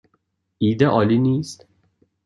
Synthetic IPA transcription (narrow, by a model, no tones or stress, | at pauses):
iːd̪eʔɒːliniːst̪